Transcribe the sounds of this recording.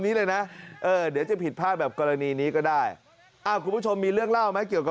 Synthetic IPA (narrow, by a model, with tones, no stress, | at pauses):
niː˦˥lɤː˧jna˦˥ʔɤː˧dɯ˩˦ət͡ɕa˨˩pʰi˨˩t̪̚pʰaː˥˩bɛː˨˩p̚kɔː˧ɾa˧niː˧niː˦˥kɔː˥˩daː˥˩j | ʔa˧˩kʰu˧nbʰu˥˩t͡ɕʰo˧mːiː˧ɾɯ˥˩əŋla˥˩wma˦˥jki˨˩əwka˨˩